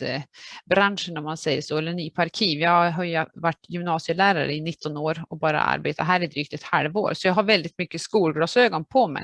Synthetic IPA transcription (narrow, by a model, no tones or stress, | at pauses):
bɾanʂənɔmːansɛjːəʂoːɛlːənyːpʰaɾkʰiːvjɑːhaɦɑjvaʈːjʏmnɑːsɪəlæːɾaɾə̰ɪnɪt̪ʰːɔnoːɾɔbɑːɾa̰a̰ɾbeːt̪ʰaɦæːɾɪnd̪ɾʏk̚t̪ɪt̪ha̰lvo̰ːɾsɔjɑːɡɦaɾvɛld̪ɪt̪mʏkːəskuːlɡɾɑːsøːɡɔnpʰɔmɛ̰